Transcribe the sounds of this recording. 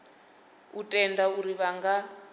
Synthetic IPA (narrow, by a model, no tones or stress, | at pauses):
utʼɛndauɾiβaŋɡa